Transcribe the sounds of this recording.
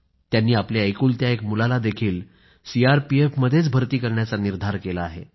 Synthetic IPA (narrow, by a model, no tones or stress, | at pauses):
t̪janːiːapljeəjkuːlt̪jaekmulalad̪ekʰiːl | siaɾpiefməd̪ʱjet͡sbʱəɾt̪iːkəɾɳjat͡saniɾd̪ʱaɾkelaːɦḛ